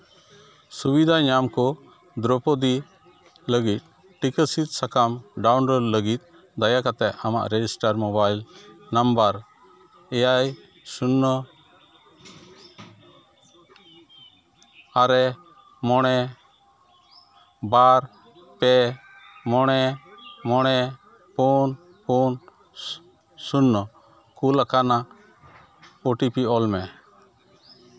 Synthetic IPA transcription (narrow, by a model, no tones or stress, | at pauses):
subid̪ʱaɲamkɔ | d̪ɾɔpɔd̪i | ləɡit̪̚ | ʈikəsit̪̚sakamɖawnlɔlləɡit̪̚ˀ | d̪ajakat̪ɛʔama̰ʔɾɛd͡ʒisʈaɾmɔbajlnambaɾ | ɛjaj | sunːɔ | aɾɛ | mɔɽ̃ɛ | baɾ | pɛ | mɔɽ̃ɛmɔɽ̃ɛ | pun | pun | sunːɔ | kulakana | oʈipiɔlmɛ